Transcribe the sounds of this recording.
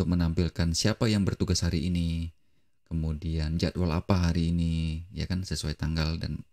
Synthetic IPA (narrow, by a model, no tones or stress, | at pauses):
t̪ʊk̚mənampilkansiapajaŋbərt̪uɡashaɾiːni | kəmudiand͡ʒaat̪wala̰paɦaɾiːnija̰kansəsuajt̪aŋɡalda̰n